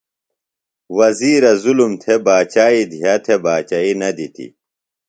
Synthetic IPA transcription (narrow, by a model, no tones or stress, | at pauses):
wɐziːɾɐzulumt̪ʰebaːt͡ɕaːid̪ʱijat̪ʰebaːt͡ɕaːinɐd̪it̪ʰḭ